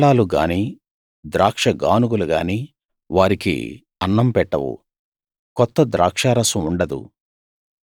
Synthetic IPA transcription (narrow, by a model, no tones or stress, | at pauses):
ɭaːluɡa̰ːniː | d̪ɾaːkʂɐɡaːnuɡuluɡaːniː | ʋaːɾikḭ | ɐnːɐmpɛʈːɐʋṵ | kɔt̪ːɐd̪ɾaːkʂaːɾɐsɐmuɳɖɐd̪ṵ